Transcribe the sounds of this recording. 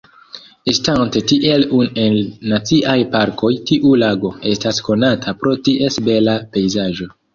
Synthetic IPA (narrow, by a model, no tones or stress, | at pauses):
estante̞tiʔe̞lune̞lːat͡siʔajpaɾkʰo̞jtiʔulaɡo̞e̞stasko̞natʰapɾo̞tiʔe̞sbe̞lape̞jzaʒo̞